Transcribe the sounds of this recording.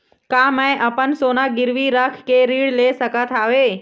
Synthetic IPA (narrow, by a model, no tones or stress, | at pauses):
kaːmɛ̃ʔɐpənsoːnaɡɪɾʋiɾɐkʰkeːɾiːɽleːsɐkʰat̪ʰaːʋeː